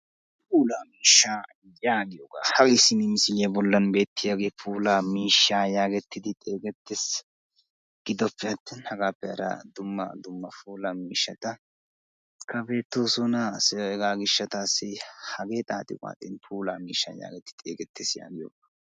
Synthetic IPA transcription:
puːlaːmiːʃːaː | jaːɡɪjoːɡa̰ːhɐkɪsɪnɪmɪsɪljɐbɔlːɐnbe̞ːt̪ːɪjaːɡeːpʰuːlaːmiːʃːaːjaːɡɛt̪ːɪd̪ɪt̪ʼe̞ːɡɛt̪ːes | ɡ̥ɪd̪ɔpːɛɐt̪ːɛnhɐɡaːpːɛɐɾɐ̰d̪ʊmːɐ̰d̪ʊmːɐfuːlamiːʃːɐt̪ɐ | kʰɐbe̞ːt̪ːoːsɔnasɛɛɡaːɡɪʃːɐt̪aːsːɪhɐɡe̞ːt̪ʼaːt̪ɪkʼa̰ːt̪ʼɛ̰npʰuːlaːmḭːʃːa̰ja̰ːɡɛt̪ːɪ̥t̪ʼḛːɡɛt̪ʰːesja̰ːɡɪjo̰ːɡa

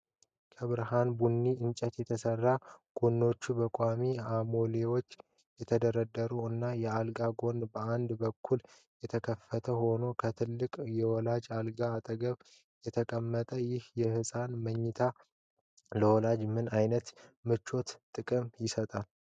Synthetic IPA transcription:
kʰəβɨɾɦanbunːiɨnt͡ʃʼət̪jɛt̪ʰəsərːaɡ̥onːo̞t͡ʃːubəkʼamiamo̞lewo̞t͡ʃː | jɛt̪ʰəd̪əɾəd̪ːəɾuɨnːajɛalɡaɡo̞nbəand̪bəkʰːul | jɛt̪ʰəkʰəfːət̪ʰəho̞no̞kʰət̪ʰɨlːɨkʼjɛwɔlad͡ʒalɡaːt̪ʼəɡəβ | jɛt̪ʰəkʼəmːət̪ʼəjɪhjɛhɨsʼanməɲːɪt̪ʰa | ləwɔlad͡ʒmɨnajnət̪mɨt͡ʃːo̞t̪t̪ʼɨkʼɨmjɪsət̪ʼal

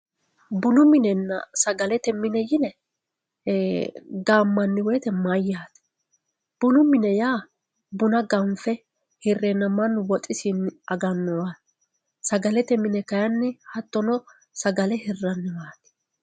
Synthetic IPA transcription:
bʊnʊmɪnɛnːɐ̰sɐɡɐlɛt̪ɛmɪnɛjɪnɛ | ɡaːmːɐnːɪwɛjt̪ɛmɐjaːt̪ | b̥ʊnʊmɪnɛjaː | bʊnɐɡɐɱfɛ | hɪrːɛnːɐmɐnwɔt̪ʼːɪsɪnɐɡɐnːɔwat̪ | sɐɡɐlɛt̪ɛmɪnɛkɐjɐnːɪhɐt̪ːɔnɔ | sɐɡɐlɛhɪrːɐnːɪmaːt̪ɛ̥

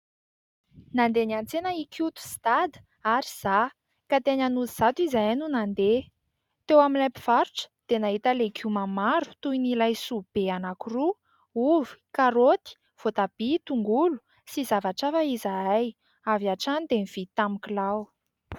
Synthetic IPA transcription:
nand̪eniant͡senəikʰut̪u̥st̪ad̪ | aɾiz̥a | kat̪eɲanuziz̥at̪izajnunand̪e | t̪ewaminlapiv̥aɾuʈ͡ʂə̥d̪̥enaɦit̪əlekʰumamaɾu̥t̪ujnilajsub̥eanakuru | uvi̥kaɾot̪i̥ | v̥ot̪ab̥it̪uŋɡulu̥ | sizavaʈ͡ʂafaizaaj | aviaʈ͡ʂanid̪emiv̥it̪amikilaw

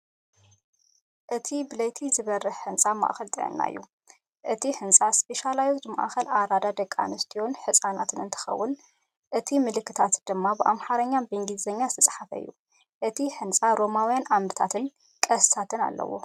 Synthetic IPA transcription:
ʔɨt̪ʰibɨlɐjt̪ʰizɨβɐrːɨħħɨnt͡sʼama̰ʔxɐlt̪ʼɨʕɐ̰nːa̰jːu | ʔɨt̪ʰiħɨnsʼaspe̞ʃalajot̪ɨma̰ʔxɐlaɾad̪ad̪ɐkʼːa̰nɨst̪ʰijonħɨsʼanat̪ʰɨnɨnt̪ʰɨ̥xɐ̰wːʊn | ʔɨt̪ʰimɨlɨkːɨt̪ʰat̪d̪̥ɨmːabɨʔamħaɾɐɲːanbeŋɡizɐɲːazɨt̪ʰɐsʼħafɐ̰ɨ̰jːu | ʔɨt̪ʰiħɨnt͡sʼaɾo̞mawjanamɾɨt̪ʰat̪ʰɨn | kʼɐst̪ʰat̪ʰɨna̰lːɐ̰wo̰

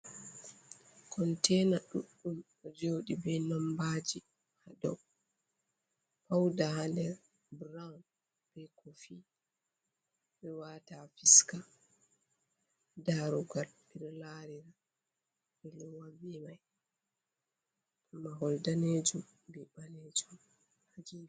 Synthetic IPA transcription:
kɔntɛnaɗṵɗːum | ɔd͡ʒoɗibɛnɔmbad͡ʒi | hadɔ | pawdahandɛɾ | bɾawn | b̥ɛkofi | bɛwatafiska | daɾuɡalpiɾlaɾiɾa | bɛlɔwabimaj | umaɦɔldaned͡ʒum | bɛbaneːd͡ʒum | had͡ʒiː

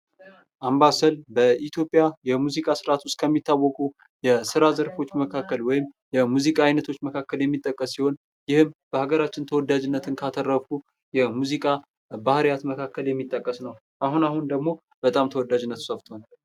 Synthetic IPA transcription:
ʔambasəlbəʔit̪ʰjo̞pʼjajɛmuzikʼasɨɾat̪ʰʊst̪kʰəmːit̪ːawːɔkʼu | jɛsɨɾazəɾfo̞t͡ʃːməkʰakːəlwɔjɪmjɛmuzikʼaːjnət̪ʰo̞t͡ʃːməkʰakːəljɛmːit̪ʼːəkʼːəsːiho̞n | jɪhɨmb̥əhaɡəɾat͡ʃːɪnt̪ʰəwɔd̪ːad͡ʒɪnːət̪ʰɨnkʰat̪ʰərːəfu | jɛmuzikʼa | bahɾjat̪məkʰakːəljɛmːit̪ʼːəkʼːəsnəw | ʔaɦunahund̪əɡmo̞ | b̥ət̪ʼamt̪ʰəwɔd̪ːad͡ʒɪnːət̪səft̪ʰan

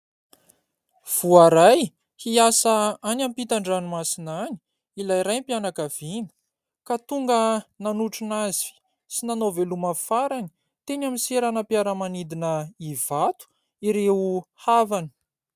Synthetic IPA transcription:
v̥uaɾaj | hiasəanampit̪aɳɖ͡ʐanumasinani̥ | ilajɾajmpianakav̥inə̥ | kat̪uŋɡənanuʈ͡ʂunazi̥ | sinanoveluməfaɾani̥ | t̪eɲamiseɾanəpjaɾəmanid̪inəiv̥at̪u̥ | iɾeuhavani̥

